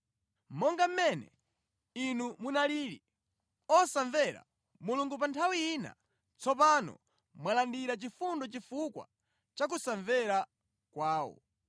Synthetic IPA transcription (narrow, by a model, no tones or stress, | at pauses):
mɔŋɡam̩mɛnɛ̰ | inumunaliːɾi | ɔsaɱvɛɾa̰ | muluŋɡup̬antʰawiiːna̰ | t͡sɔp̬anɔ̰ | mwalandiɾat͡ʃifundɔt͡ʃifukwa̰ | t͡ʃak̬usaɱvɛɾa | kwaːwɔ̰